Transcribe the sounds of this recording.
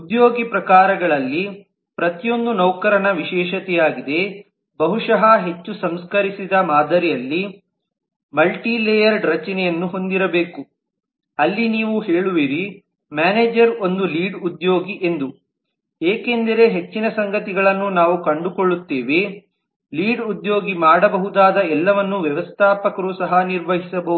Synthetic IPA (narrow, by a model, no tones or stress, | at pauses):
ud̪jo̞ːɡipɾɐkaːɾɐɡɐɭɐlːi | pɾɐt̪ijo̞nd̪unɐwkɐɾɐɳɐʋiʃɛːʃɐt̪ɛjaːɡid̪e̞ | bɐɦuʂɐɦɐɦe̞t͡ʃːusɐmskɐɾisid̪ɐmaːd̪ʱɐɾijɐlːi | mɐlʈileːjɐɾɖɾɐt͡ʃɐnɛjɐnːuɦo̞nd̪iɾɐbe̞ːku | ɐlːiniːʋuheːɭuʋiɾi | maːneːd͡ʒɐɾo̞nd̪uliːɖud̪jo̞ːɡiʔe̞nd̪u | eːke̞nd̪ɐɾe̞ɦe̞t͡ʃːinɐsɐŋɡɐt̪iɡɐɭɐnːunaːʋukɐɳɖukoɭːut̪ːeːʋe | liːɖud̪jo̞ːɡimaːɽɐbɐɦud̪aːd̪ɐɛlːɐʋɐnːuʋjɛʋɐst̪ʰaːpɐkɐɾuːsɐɦɐniɾʋɐɦisɐbɐɦud̪u